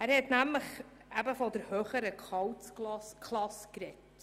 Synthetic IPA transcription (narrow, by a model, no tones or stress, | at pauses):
æːɾhɛtnæmləχ | æbəfɔdəɾhøːχəɾəkʰɑwtt͡slɑskʰlɑskɾɛt